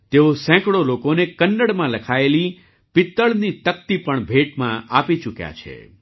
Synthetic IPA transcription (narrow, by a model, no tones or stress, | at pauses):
t̪eosɛ̃kɽolokonekənːəɽmãləkʰaeli | pɪt̪ːəɭnit̪ək̚t̪ipəɳbʱeʈmãʔapit͡ʃukja̰t͡ʃʰḛ